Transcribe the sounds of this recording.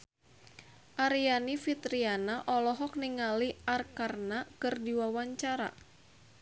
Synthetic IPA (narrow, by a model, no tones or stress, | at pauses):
ʔaɾianifit̪ɾianaʔɔlɔɦɔk̚niŋaliʔarkarnakɨrdiwawaɲt͡ʃaɾa̰